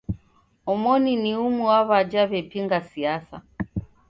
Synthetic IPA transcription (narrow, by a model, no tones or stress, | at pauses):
ɔmɔniniumuwaβad͡ʒaβɛpiŋɡasiasa̰